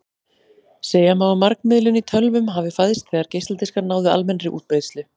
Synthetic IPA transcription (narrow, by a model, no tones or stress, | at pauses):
seːjamaɣɔmaɾknmɪðlʏnit̪ʰœlvʏmɦavɪfaðɪst̪̚kʰθɛːɣaɾ̥cejst̪at̪iskaɾnaːwðʏa̰lmɛnrɪʔṵːt̪̚pejt̪st̪lɪ